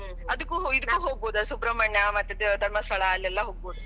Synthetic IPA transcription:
ɐd̪ukːuːɦoid̪ukːuːɦoːɡ̚boːd̪ɐsuːpɾɐmɐɳjɐmɐt̪jed̪ed̪ʱɐɾmɐst̪ɐɭaːlːiɛlːaɦoːɡ̚boːd̪u

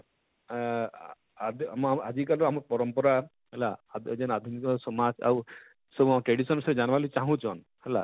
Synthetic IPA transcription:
ad̪amad͡ʒikaluamɔɾpɔɾɔmpɔɾa | ɦɛlaad͡ʒɛnad̪ʱunik̪ɔsɔmad͡ʒa̰w | sɔbʱuamaɾʈɾeɽisɔnsɔɾed͡ʒanʋalit͡ʃaɦũt͡ʃʰɔn | hɛla̰

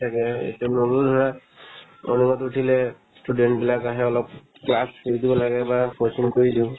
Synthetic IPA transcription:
tʰakɛḛtɛnobuldʱɔɹa | ɔ̰nimɔtutʰilɛ | studɛntbilakaɦɛɔlɔp̚ | klaskoɹidibɔlaɡɛbakosinkoɹidiʊ̃

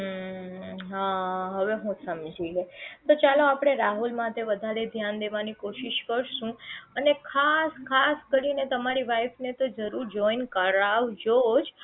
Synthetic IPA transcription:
ɦaɦəʋeɦũsəmd͡ʒiɡet̪ot͡ʃaloapɽ̃eɾaɦulmãt̪eʋəd̪ʱaɾed̪ʱjand̪eʋanikoʃiʃkəɾʃũənekʰaskʰaskəɾinet̪əmaɾiʋajfnet̪od͡ʒəɾuɾd͡ʒɔinkəɾaʋd͡ʒod͡ʒ

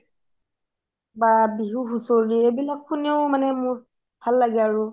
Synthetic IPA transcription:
ɡ͡baːbiɦuɦusoɾiebilakʰʊnɪ̃owmanɛ̃mʊ̃ | halaɡaɾʊ

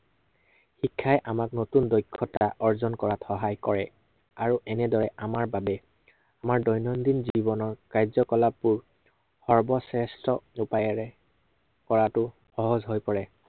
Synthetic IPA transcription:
xikʰːajʔamaknotundɔjkʰːɔtaʔɔɹzɔnkɔɹatxɔɦajkɔɹɛ | aɹuʔɛnɛdɔɹɛʔamaɹbabɛ | amaɹdɔjnɔndinzibɔnɔɹkajzɔkɔlapːuɹ | xɔɹbɔsɛstɔupajɔɹɛ | kɔɹatʊ | xɔɦɔzɦojpɔɹɛ

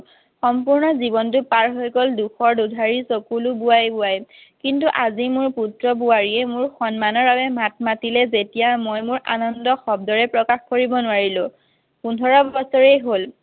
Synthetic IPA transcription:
xɔmpuɹnɔzibɔnt̬ʊpaɹɦojkɔlduxɔɹdudʱaɹisokulubuajbʊaj | kintuʔazimʊɹputɹɔbuaɹiɛmʊɹxɔnmanɔɹbabɛmat̚matilɛzetijamojmʊɹʔa̰nɔndɔxɔb̚dɔɹɛpɹɔkaxkoɹibɔnʊwaɹilʊ̃ | pundʱɔɹɔbɔsɔɹejɦol

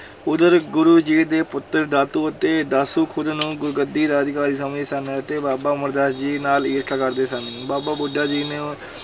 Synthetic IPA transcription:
ʊd̪əɾɡʊɾuːd͡ʒiːd̪eːpʊt̪ːəɾd̪aːt̪uːət̪eːd̪aːsũːkʰʊd̪nũːɡʊɾɡəd̪iːd̪aːəd̪ɪkaːɾiːsəmd͡ʒiːsənẽːət̪eːbaːbaːməɾd̪aːsd͡ʒiːnaːliːɾkʰaːkəɾd̪eːsanẽːbaːbaːbʊɖaːd͡ʒiːneː

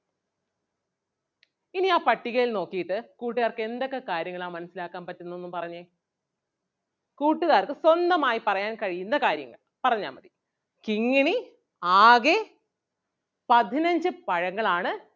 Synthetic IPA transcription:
iniaːpɐʈːiɣɐɭilno̞ːkːijit̪ːɨkuːʈːiɣaːrkɨe̞nd̪o̞kːe̞kaːɾjɐŋːɐɭaːmɐnɐsilaːkːaːnpɐtːenːonːumpɐrɐɲːe | kuːʈːiɣaːrkɨswɐnd̪ɐmaːjipɐrɐjaːnkɐɻijunːɐkaːɾjɐ̰ŋːɐ̰ɭ | pɐrɐɲːa̰ːmɐd̪i | kiŋːiɳi | aːɣe | pɐd̪ʱinɐɲd͡ʑɨpɐɻɐŋːɐɭaːɳɨ

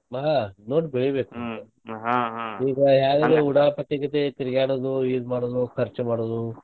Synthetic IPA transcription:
maanoːʈbeɭibeːkue | ɦaɦiːɡɐɦjaːɡeleuɽaːpɐʈːikɐt̪et̪iɾiɡaːɽoːd̪uiːd̪maːɽoːd̪ukʰɐɾt͡ʃmaːɽoːd̪u

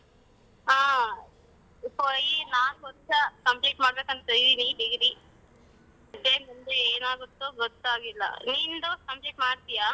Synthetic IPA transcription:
aː | pojinaːnkɔnt͡ʃɐkɐmpleːʈmaːɽbeːkɐnt̪ɐt̪ejd̪iniɖiɡɾi | ɐd̪ːeːnund̪eeːnaːɡut̪ːuɡɔt̪ːaːɡilːɐ̰nind̪okɐmpleːkʈmaːɽt̪ijaː

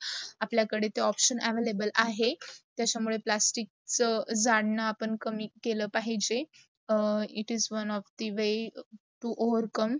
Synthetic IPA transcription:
apljakəɽet̪eɔpɕənɛʋelebəlaɦet̪jat͡ɕamuɭeplasʈik̚t͡səd͡zaɽnaːpəɳkəmiːkeləːpaɦid͡ʑe | iʈizʋənɔfd̪iʋe | ʈuʔoʋəɾkəm

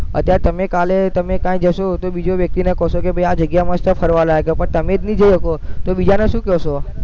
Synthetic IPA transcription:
ət̪jaɾet̪əmekalet̪əmekãjd͡ʒəʃot̪obid͡ʒoʋjək̚t̪inekɔʃokebʱəjad͡ʒəɡjamə̃st̪əpʰəɾʋalaɦekepəɳt̪əmed͡ʒnid͡ʒəjɦəkot̪obid͡ʒaneʃũkɛɦʃo

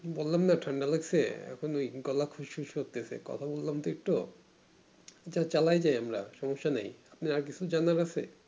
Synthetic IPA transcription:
bolːamnaʈʰaɳɖaleksʰḛɛ̰kʰonojɡɔlakʰuʃʃʰuʃɦot̪ːesʰḛkɔ̰t̪ʰabolːamt̪oek̚ʈo | d͡ʑat͡ɕalajd͡ʑajamɾa̰ʃɔmoʃːanajapniaɾk̬it͡ɕʰud͡ʑanaɾasʰe

